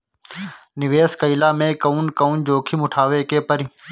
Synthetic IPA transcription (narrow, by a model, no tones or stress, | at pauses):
nɪʋeːskəilaːmẽːkəuːnkəuːnd͡ʒoːkʰiːmʊʈʰaːʋeːkeːpəɾi